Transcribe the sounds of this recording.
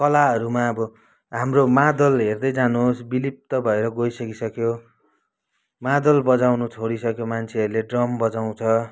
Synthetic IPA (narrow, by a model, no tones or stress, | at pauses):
kʌlaʌɾumaʌbʌ | ɦamromad̪ʌlɦerd̪ʌjd͡zanoːsbilip̚t̪ʌbʱʌeɾʌɡojsʌkisʌkjo | mad̪ʌlbʌd͡zawnut͡sʰoɽisʌkjomant͡sʰeʌɾuleɖrʌmbʌd͡zaw̃t͡sʰʌ